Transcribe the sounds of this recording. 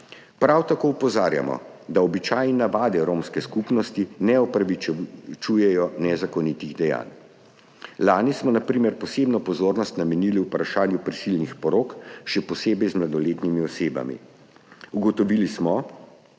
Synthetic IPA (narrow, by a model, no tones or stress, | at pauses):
pɾawt̪akoːupɔzaːɾja̰mɔ̰d̪aɔbit͡ʃaːjninaʋaːd̪ɛɾoːmskɛskupnɔst̪inɛɔpɾaʋit͡ʃujɛjɔnɛzakɔnit̪iɣd̪ɛja̰ːn | laːnismɔnapɾiːmɛɾpɔseːbnɔpɔzoːɾnɔst̪namɛniliwpɾaʃaːnjupɾɛsilnixpɔɾokʃɛpɔseːbɛjzmlad̪ɔleːt̪nimiɔseːba̰mḭ | uɡɔt̪ɔʋilismɔ